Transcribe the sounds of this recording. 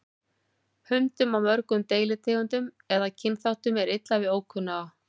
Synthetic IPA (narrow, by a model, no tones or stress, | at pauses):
hʏnt̪ʏmawmœɾkʏmt̪eːjlɪt̪ʰeːɣʏnt̪ʏm | ɛðacʰɪnːθawht̪ʏmɛɾɪt̪lavɪðoːwkʰʏnːaː